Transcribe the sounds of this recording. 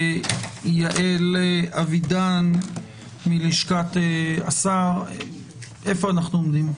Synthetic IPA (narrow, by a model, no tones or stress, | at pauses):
jaʔelʔavidan | miliʃkat̪easaʁ | efoanaχnuomd̪im